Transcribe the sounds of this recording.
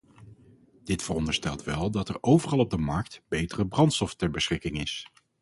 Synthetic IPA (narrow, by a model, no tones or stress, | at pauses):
d̥ɪtfərɔndəɹstɛlˠtʋɛlˠdɑtɛɹowvərɑlˠɔb̚dəmɑɹk̚tb̥ejtərəbrɑntstɔftɛɹbəsχɪkɪŋɪs